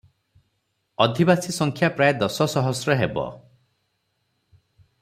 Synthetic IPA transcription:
ɔd̪ʱibasisɔŋkʰjapɾajed̪ɔsɔsɔɦɔsɾɔɦebɔ̰

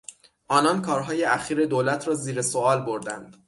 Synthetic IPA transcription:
ʔɒːnɒnkʰɒːɾɦɒːje̞ʔæxiːɾe̞d̪oːlæt̪ʰɾɒːziːɾe̞soɒːlbo̞ɾd̪ænd̪̥

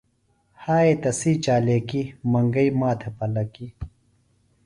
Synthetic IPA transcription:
haːet̪ɐsiːt͡ɕaːleːkimɐŋɡɐimaːt̪ʰepɐlɐki

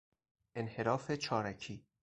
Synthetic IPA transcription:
ʔenhe̞ɾɒːfet͡ʃʰɒːɾæcʰiː

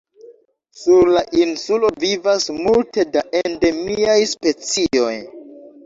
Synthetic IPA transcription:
suɾlaʔinsulo̞vivasmulte̞daʔende̞miajspe̞t͡sio̞j

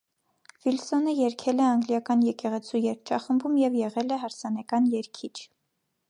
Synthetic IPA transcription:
vilsɔnəjɛɾkʰɛlɛɑŋɡljɑkɑnjɛkɛʁɛt͡sʰujɛɾk̚ʰt͡ʃʰɑχəmbumjɛvjɛʁɛlɛɦɑɾsɑnɛkɑnjɛɾkʰit͡ʃʰ

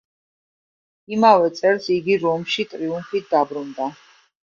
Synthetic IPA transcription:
imavɛt̪sʼɛɾsiɡiɾɔmʃit̪ʼɾiumfit̪̚ʰd̪̥abɾund̪a

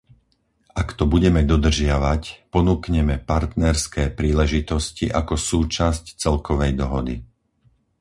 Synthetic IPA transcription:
ʔakt̪ɔbuɟɛmɛd̪ɔd̪r̩ʒɪaʋacpɔnuːkɲɛmɛpaɾt̪nɛɾskɛːpɾiːlɛʒit̪ɔsciʔakɔsuːt͡ʃasct͡sɛlkɔʋɛjd̪ɔɦɔd̪ḭ

